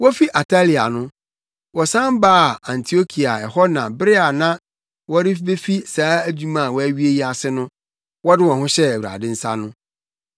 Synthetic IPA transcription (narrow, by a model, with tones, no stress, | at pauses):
wɔ˦fi˦ʔa˨tʰa˦li˨a̰˨nʊ̃˦ | wɔ˨sã˦mbaː˦˨ã˨ntʰi˨o˦kʰi˨a˨ɛ˨hɔ˦nã˨bɾɪ˦a˨nã˦ | wɔ˦ɾɪ˦fbe˦fi˦saː˨˦æ˦d͡ʑu˦mã˦˨wɔ˦æ˦ɥi˦e˦ji˦a˨sɪ˦nʊ̃˦ | wɔ˦dɪ˦wɔ̃˨ɦʊ̃˦ɕɛ˦æ˨wu˨ɾa̰˨dɪ̃˦n̩˦sa̰˦nʊ̃˦